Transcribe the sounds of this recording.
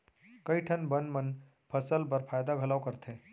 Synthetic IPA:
kɐiʈʰɐnbənmən | pʰɐsəlp̬ɐɾpʰaːjd̪aɡʱɐlaːʊkəɾt̪ʰẽː

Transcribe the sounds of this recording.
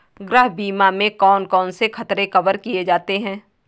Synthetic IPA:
ɡɾəɦbiːmamẽkɔːnkɔːnsexɐt̪ɾekɐbəɾkied͡ʒaːt̪eɦɛ̃ː

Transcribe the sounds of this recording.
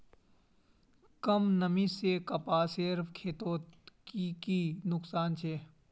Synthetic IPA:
kəmnəmisekɐpaːseɾfʰkʰeːt̪oːtkikinʊksaːnt͡ʃʰeː

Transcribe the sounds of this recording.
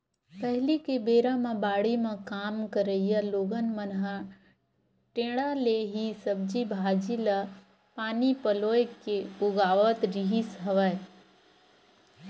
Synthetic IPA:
pəɦlikebeːɾãmãbaːɽimãkaːmkəɾəijaloːɡənmənɦa | ʈẽːɽaleɦisəb̚d͡ʒibʱaːd͡ʒila | paːnipəloːekeʊɡaːʋət̪ɾiɦisɦɐʋa

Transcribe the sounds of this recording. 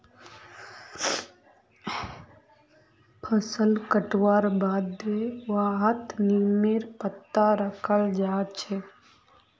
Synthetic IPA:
pʰəsəlkəʈwaːɾbaːd̪eʋaːɦət̪niːmeɾpət̪ːaɾəkʰəld͡ʒaːt͡ʃʰe

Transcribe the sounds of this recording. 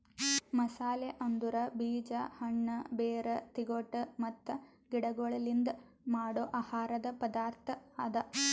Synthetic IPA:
mɐsaːleʔɐnd̪uɾɐbiːd͡ʒɐhɐɳːɐbeːɾɐt̪iɡoʈːɐmɐt̪ːɐ | ɡiɽɐɡoɭɐlind̪ɐ | maːɽoʔahaːɾɐd̪ɐpɐd̪aːɾt̪ʰɐɐd̪ɐ

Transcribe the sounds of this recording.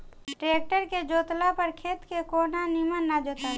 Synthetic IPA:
ʈɾeːk̚ʈəɾked͡ʒoːt̪lapəɾkʰeːt̪kekoːnanimənːad͡ʒoːt̪a

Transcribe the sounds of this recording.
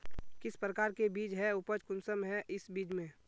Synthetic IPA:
kɪspɾəkaːɾkebiːd͡ʒɦɛʊpəd͡ʒkʊnsəmɦɛʔɪsbiːd͡ʒmẽ

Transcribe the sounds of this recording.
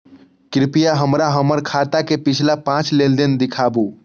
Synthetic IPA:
kɾɪpijaɦəmɾaɦəməɾkʰaːt̪akepɪt͡ʃʰlapãːt͡ʃleːld̪ɪnd̪ɪkʰaːbuː

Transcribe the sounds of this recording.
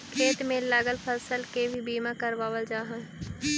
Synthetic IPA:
kʰeːt̪mẽlaːɡəlpʰəsəlkebʱibiːmãkəɾʋaːʋəld͡ʒaːɦã

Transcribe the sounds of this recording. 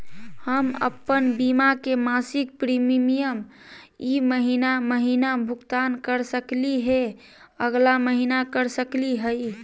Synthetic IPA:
həmə̰pːənbimakemasik̚pɾimmijəm | iməɦinaməɦinabʱuɡt̪ankəɾsəkliɦe | əɡlaməɦinakəɾsəkliɦəj

